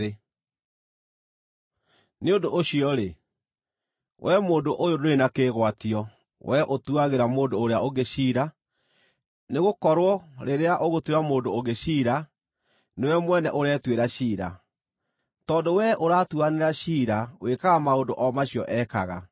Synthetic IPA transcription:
e | neondoʔoɕiɔɾe | wʔɛmoːndoʔojodoenakeːɣwatiɔ | wʔɛʔotuaɣeɾamoːndoːɾeaʔoɡeɕiɾa | neɣokɔɾwɔɾeɾeaʔoɣotweɾamoːndoːŋɡeʃiːɾa | newɛmwɛnɛʔoɾɛːtweɾaɕiːɾa̰ | tɔːndowɛʔoɾaːtuaneɾaɕiːɾawekaɣamaondoʔɔmaɕjɔʔɛkaɣa̰

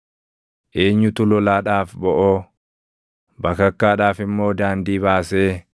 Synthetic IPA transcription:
ʔeːɲːʊt̪ʊlɔlaːᶑaːfbɔʔoː | bɐkɐkːaːᶑaːfɪmːo̞ːd̪aːnd̪iːβaːseː

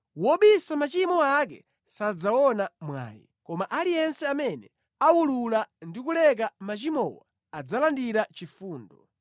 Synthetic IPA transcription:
wɔɓisamat͡ʃimɔak̬ɛ̰ | sad͡zawɔnamwa̰ːjḭ | kɔmaʔalijɛnsɛamɛnɛ | awululandikulɛk̬amat͡ʃimɔ̰wa̰ | ad͡zalandiɾat͡ʃifuːndɔ

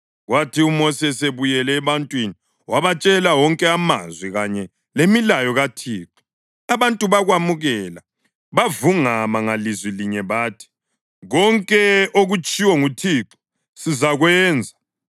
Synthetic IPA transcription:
ɣwatʰiumosiɛseβujɛlɛːβantʼwini | waβat͡ʃʼɛlawɔŋkʼɛama̰zwiɣaɲɛ | lemilajɔɣatʰiːǁɔ̥ | aβantʼuβaɣwamuɣɛːla | βavuŋamaŋalizwiliɲɛβaːtʰi̥ | ɣɔŋkʼɛoɣut͡ʃʼiwɔŋutʰiːǁɔ̥ | sizaɣwɛːnd͡zʱa

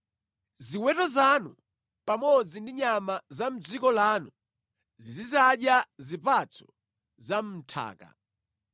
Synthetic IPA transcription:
ziwɛtɔzanu | pamɔd͡zindiɲamazam̩d͡zikɔlaːnu | zizizaɗjazipat͡sʰɔ̥ | zam̩m̩tʰa̰ːka̰

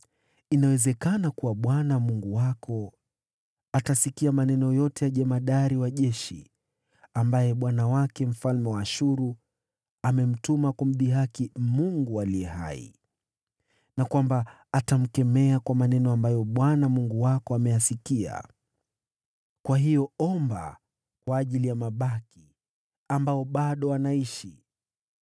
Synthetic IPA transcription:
inawɛzɛkanakuwaɓwanamuŋɡuwakʰɔ | atasikiamanɛnɔjɔtɛjaʄɛmaɗaɾiwaʄɛʃḭ | ambajɛɓwanawakɛm̩falmɛwaːʃuɾu | amɛm̩tumakum̩ɗiɦakimuŋɡualijɛha̰ḭ | nakwambaː | tam̩kɛmɛakwamanɛnɔambajɔɓwanamuŋɡuwakɔamɛjasikia̰ | kwaɦijɔɔmba̰ | kwaːʄilijamaɓaki | ambaɔɓaɗɔwanaiʃi

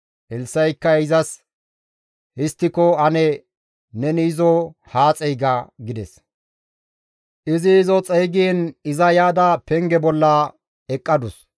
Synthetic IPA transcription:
ʔɪlsːɐjkːɐɪzɐs | ʔɪst̪ːɪkɔɐnɛ | nɛnɪːzɔhaːt͡sʼɛjɡɐɡɪd̪ɛs | ʔɪzɪːzɔt͡sʼɛjɡinɪzɐjaːd̪ɐpɛŋɡɛbɔlːɐ | ɛkʼːɐd̪ʊs

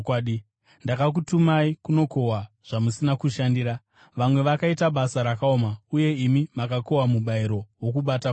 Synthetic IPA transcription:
aɗi | ndakak̬utumaikuno̞ko̞wa | ʐ̥amusinakuʃandiɾa | ʋamwe̞ʋakaitaɓasaɾakaomauje̞imimakako̞wamuɓaiɾo̞wo̞kuɓata

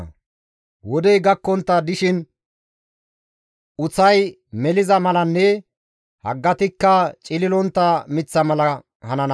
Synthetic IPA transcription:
wɔd̪ɛjɡɐkːɔnt̪ːɐd̪ɪʃɪn | ʊt͡sːɐj | mɛlɪzɐmɐlɐnːɛ | hɐ̰ɡːɐt̪ɪkːɐt͡ʃʼɪlɪlɔnt̪ːɐmɪt͡sːɐmɐlɐ | hɐnɐn

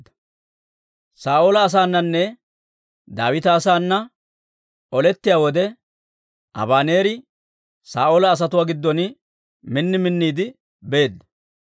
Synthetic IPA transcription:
ɐ | saːʔoːlɐːs̬aːnːɐnːɛ | d̪a̰ːwɪt̪aːsaːnːɐ | ɔlɛt̪ːɪjaːwɔd̪ɛ | ʔɐ̰baːne̞ːɾɪ | saːʔoːlɐːs̬ɐt̪ʊwaːɡɪd̪ːɔnɪ | mɪnːɪmɪnːiːd̪ɪ | be̞ːd̪ːɐ

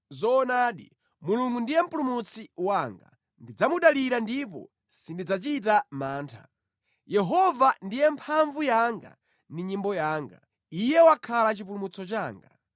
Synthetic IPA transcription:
zɔːnaːɗḭ | muluŋɡundijɛm̩pulumut͡sʰiwaŋɡa̰ | ndid͡zamuɗaliɾandipɔ̰ | sindid͡zat͡ʃit̬amaːntʰḁ̰ | jɛɦɔvandijɛmpʰaɱvujaŋɡa̰ | niɲimbɔjaːŋɡa̰ | ijɛwakʰalat͡ʃip̬ulumut͡sʰɔt͡ʃaːŋɡa̰

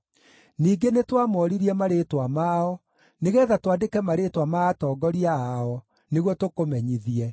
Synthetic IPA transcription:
niːɡenetwamɔɾiɾiɛmaɾetwamaɔ | neɣɛːðatwadekɛmaɾeːtwamaːtɔːɡɔɾiaaɔ | neɣwɔtokomɛɲiðiɛ

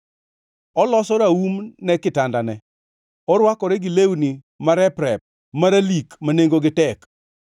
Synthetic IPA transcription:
ɔlɔsɔɾaumnɛkɪtandanɛ | ɔɾwakɔɾɛɡɪlewuni | maɾɛpɾɛp̚ | maɾalikmaneŋɡoɡɪtɛk

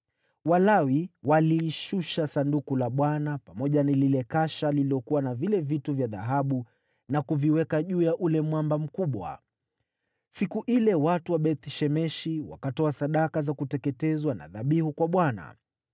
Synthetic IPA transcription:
walawiwaliːʃuʃasandukulaɓwanapamɔʄanililɛkaʃaliliɔkuwanavilɛvituvjaða̰ɦaɓu | nakuviwɛkaʄuːjaʔulɛmwambam̩kuɓwa̰ | sikuʔilɛwatuwaɓɛt̪ʃɛmɛʃiwa̰katɔasaɗakazakutɛkɛtɛzwana̰ðaɓihukwaɓwana̰

